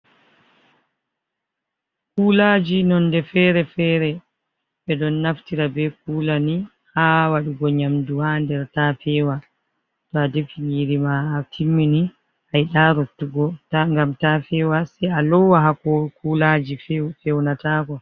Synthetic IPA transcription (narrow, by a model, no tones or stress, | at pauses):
kuːlad͡ʒinɔndɛfɛɾɛfɛːɾɛ | ɓɛɗɔnːaftiɾabɛkuːlani | hawaɗiɡɔɲamduhandɛɾtafɛːwa | tɔadefiniɾimaːtʰimːini | ʔajɗaɾotːuɡɔtaŋɡamtafɛːwasɛjalɔwaɦakɔkuːlad͡ʒifɛwnataːkɔ